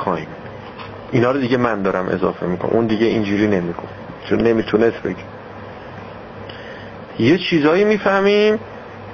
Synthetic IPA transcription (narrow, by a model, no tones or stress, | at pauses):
xɒːhim | ʔinhɒːɾod̪iɟemænd̪ɒːɾæmʔe̞̰zɒ̰ːfe̞̰mikʰo̰n̰ʔund̪iɟeʔind͡ʒuːɾiːnemiɡof | t͡ʃʰonnemiːt̪ʰunesbeɟi | jet͡ʃʰiːzɒːjiːmiːfæhmim